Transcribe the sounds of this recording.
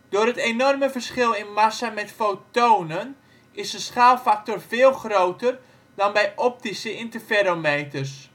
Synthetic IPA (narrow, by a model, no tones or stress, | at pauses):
doːrɦətenɔrməvərsχɪlˠɪnmasamɛtfoːtoːnən | ɪsdəsχaːlˠfak̚torvɪːlˠxrowtər | dɔnbɛjʔɔp̚tisəɪntərfeɾomejtərs